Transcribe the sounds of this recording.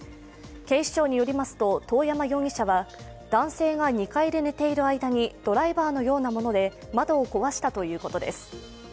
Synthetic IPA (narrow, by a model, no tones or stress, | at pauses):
kẽ̞iɕi̥t͡ɕo̞ːɲ̟ijo̞ɾʲimasɨ̥t̪o̞t̪o̞ːjamaɡʲo̞ːɲʲiɕaβa | d̪̥ãɰ̃se̞ːɡaɲ̟ikaiɾe̞ne̞t̪e̞iɾɯ̟aid̪aɲ̟id̪̥o̞ɾaibaːno̞jo̞ːnamo̞no̞d̪e̞ | mad̪o̞ːko̞βaɕi̥t̪at̪o̞jɯ̟ːko̞t̪o̞d̪e̞̰sɨ̥